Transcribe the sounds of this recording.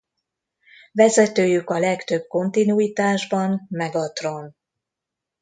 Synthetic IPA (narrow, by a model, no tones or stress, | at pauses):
vɛzɛt̪øːjykɒlɛkt̪ø̞b̚ko̞nt̪inuiːt̪aːʒbɒnmɛɡɒt̪ro̞n